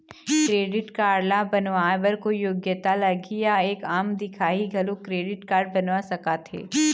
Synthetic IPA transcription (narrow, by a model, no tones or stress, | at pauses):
kɾeːɖɪʈkaːɖlabɐnʋaːbɐɾkojoːɡjət̪alɐɡijaeːkaːmd̪ɪkʰaːiɡʱɐlokɾeːɖɪʈkaːɾɖ̚bɐnʋasɐkat̪ʰḛː